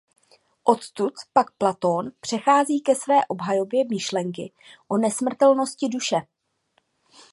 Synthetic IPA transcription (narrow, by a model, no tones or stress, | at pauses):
ʔo̞t̪t̪ut̪pak̚plat̪o̞npr̝̥ɛxaːziːkɛsvɛːʔo̞bɦajo̞bjɛmɪʃlɛŋk̬ɪ | ʔo̞nɛsmr̩t̪ɛlno̞scɪduʃɛ